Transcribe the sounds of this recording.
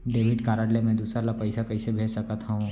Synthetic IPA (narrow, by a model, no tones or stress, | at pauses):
ɖeːʋɪɖkaːɾaɽlemɛ̃d̪uːsɾalapɐɪsakɐɪsebʱeːt͡ʃsɐkət̪ɦaɦũː